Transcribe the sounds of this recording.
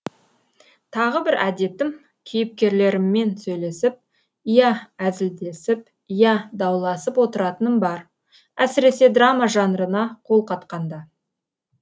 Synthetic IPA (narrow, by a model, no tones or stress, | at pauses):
t̪ʰɑʁəbɪɾʔæd̪e̞t̪ɪm | kʲʰijɪp̚kʲe̞ɾle̞ɾɪmːe̞nsɵjle̞sɪp̚ | ijɑæzɪld̪e̞sɪp̚ | ijɑd̪ɑwlˠɑsəpwo̞t̪əɾɑt̪ənənbɑɾ | æsɪɾe̞se̞d̪ramaʒɑnəɾənɑqʰo̞lˠqʰɑt̪qɑnd̪ɑ